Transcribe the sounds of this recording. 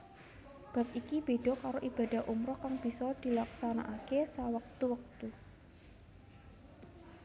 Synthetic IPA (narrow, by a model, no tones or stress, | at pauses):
b̥a̤p̚ikib̥eɖ̥ɔ̤kaɾoʔib̥a̤da̤ɦʔumɾɔkaŋb̥i̤sɔd̪̥i̤laksanaʔakesawək̚t̪uwək̚t̪u